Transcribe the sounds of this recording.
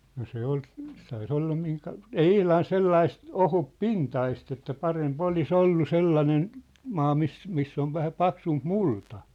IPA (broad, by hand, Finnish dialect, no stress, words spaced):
no se ol sɑi sĕ olːɑ miŋkɑ ei ihlɑn selːɑist ohupːintɑist etːæ pɑremp olis olːu selːɑnen mɑː mis misː oʋ ʋæhæ pɑksump multɑ